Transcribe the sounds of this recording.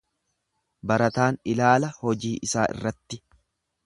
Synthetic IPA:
bɐɾɐt̪aːnɪlaːlɐhɔd͡ʒiːʔɪsaːʔɪ̰rːɐt̪ːɪ

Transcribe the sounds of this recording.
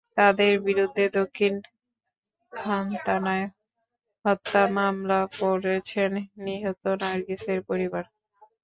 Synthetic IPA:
t̪ad̪eɾbiɾud̪ʱːed̪okʰːin | kʰant̪anae | ɦɔt̪ːamamlapoɾet͡ɕʰenːiɦot̪onaɾɡiseɾpoɾibaɾ

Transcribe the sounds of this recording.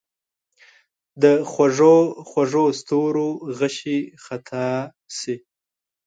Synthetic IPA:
d̪əxwaʐoxwaʐost̪oɾoɣaʃixat̪ʰɑ | si

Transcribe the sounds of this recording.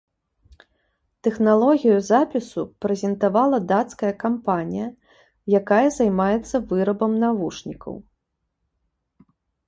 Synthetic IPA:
t̪ɛxnalˠɔɣʲijuzapʲisupɾɛzʲɛnt̪avalˠɐd̪at̪skɐjɐkampanʲijɐ | jakajɐzajmajɛt̪sːɐvɨɾɐbɐmnavuʂnʲikʰɐ̰w

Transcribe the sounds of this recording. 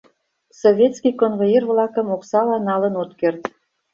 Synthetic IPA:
sovʲet̪skʲijkonvojervlɑkə̆moksɑlɑnɑlənot̪kert̪

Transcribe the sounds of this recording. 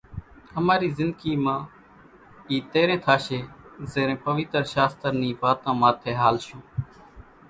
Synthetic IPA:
əmaːɾiːzɪnd̪ɡiːmãː | iːt̪eːɾẽːt̪ʰaːʃeːzeːɾẽːpəʋɪt̪ɾʃaːst̪əɾniːʋaːt̪ãːmãːt̪ʰeːɦaːlʃũː

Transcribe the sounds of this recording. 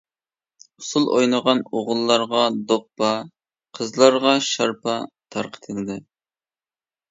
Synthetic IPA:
ʊsulˠojnəʁɑnoʁʊlˠːɑɾʁɑd̪opːɑ | qʰəzlˠɑɾʁɑʃɑɾpʰɑ | t̪ʰɑɾqʰə̥t̪ʰɨlɨd̪ɪ

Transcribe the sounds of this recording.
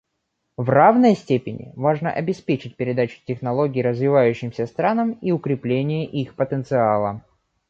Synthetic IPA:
vravnəjəsʲtʲepʲɪnʲɪ̰vaʐnə̰ʔɐbʲɪspʲet͡ɕɪt̚ʲpʲɪɾʲɪd̪at͡ɕʊ̥tʲɪxnɐlˠo̞ɡʲɪːɾəzvʲɪvajʉɕːɪmsʲəst̪ɾanəmiʊkɾʲɪplʲenʲɪjəʔixpət̪ənt̪sɨalˠə

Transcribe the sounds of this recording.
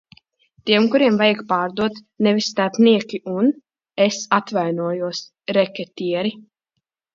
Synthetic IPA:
t̪iɛmkuɾiɛmvajakpaːɾd̪uɔt̪ | nevisst̪aɾpniɛkʲiʔun | esat̪vajnuɔjuɔs | ɾɛkʲɛt̪ʲiɛɾi

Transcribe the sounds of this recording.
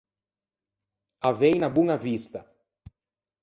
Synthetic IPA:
avejnɐbũŋɐvist̪ɐ

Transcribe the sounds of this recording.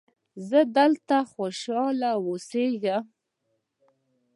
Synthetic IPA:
zəd̪əlt̪axoʃɑlawoseɡam

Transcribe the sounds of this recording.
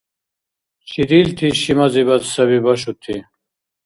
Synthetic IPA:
t͡ɕʰid̪ilt̪ʰiɕimɐziβɐt̪sɐβibɐɕut̪ʰi

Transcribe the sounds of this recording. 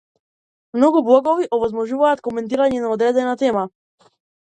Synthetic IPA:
mnɔɡublˠɔɡɔviʔɔvɔzmɔʒuvaːt̪kɔmɛnt̪̬iɾaɲɛnaɔd̪ɾɛd̪ɛnat̪ɛma

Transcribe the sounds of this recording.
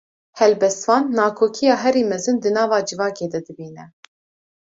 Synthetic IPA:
hɛlbɛst̪vɑːnːɑːkʰoːkʰijɑːɦɛɾiːmɛzɨnd̪ɨnɑːvɑːd͡ʒɨvɑːkeːd̪ɛd̪ɨbiːnɛ

